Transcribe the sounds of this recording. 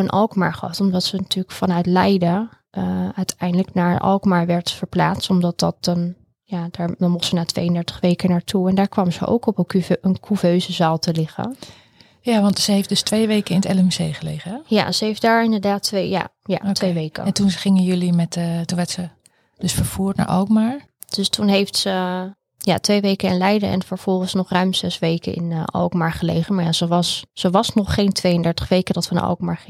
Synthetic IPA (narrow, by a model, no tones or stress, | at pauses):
ənʔɑ̰lˠkma̰ɹχəɑtɔmdɔtsənatʰyːəkfɑnœɥtlɛjdə | ʔəœɥtʰɛjndələknaːɹəʔɑ̰lˠkmaɹʋɛɹtfəɹpla̰ːt͡stɔmdɑt̚dɑt̚ɔn | jad̥aːɹdɔmʊχtsənaːtʋḛjəndɛɹtə̥χʋejkənaːɹtʰuɛndaːɹkʋaməzə̰ʔo̰wkɔpənkʰuføɥzəzaːlˠtʰəlɪχə̰ | jaʋɑntsəɦefdɵstʋejʋejkəɪnətɛləmysejχəlḛːχəja̰zəɦejfdaːɹɪndəɹdaːtʋeja̰ | ja̰otʋejʋejkə̰ɛntunχɪŋənjɵlimɛttunʋɛɹtsə | dɵsfəɹv̥uːɹtna̰ːɹʔɑ̰kmaːɹ | d̥østunɦejftsə | ja̰tʋejʋejkəɪnlɛjdəɛ̰nfəɹv̥ɔlˠχənsnɔχrœɥmsɛsʋejkəɪ̰nɑ̰lkmaːɹχəlḛjχənmaɹjaz̥əʋɑssəʋɑsnɔχːejntʋejəndɛɹtə̥χʋejkədɑtʋənə̰ʔɔ̰lkmaːɹχ